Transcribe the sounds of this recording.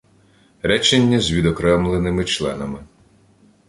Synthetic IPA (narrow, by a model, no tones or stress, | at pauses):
ɾɛt͡ʃenʲːɐzʲʋʲid̪ɔkɾɛmlˠenɪmɪt͡ʃlˠɛ̰nɐmɪ